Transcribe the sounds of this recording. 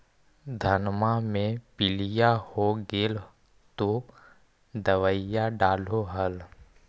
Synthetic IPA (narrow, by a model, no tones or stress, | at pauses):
d̪ʱənmamẽpɪlɪjahoɡeːl | t̪o | d̪əʋəjaɖaːloɦəl